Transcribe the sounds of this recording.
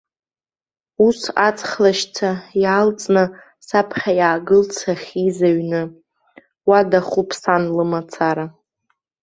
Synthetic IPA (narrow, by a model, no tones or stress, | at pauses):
usat͡sʰʼχlaʃt͡sʰajalt͡sʼnɨ | sapʰχʲajaːɡɨlt͡sʰaχʲizaɥnɨ | wadaχupʰsanlɨmat͡sʰaɾa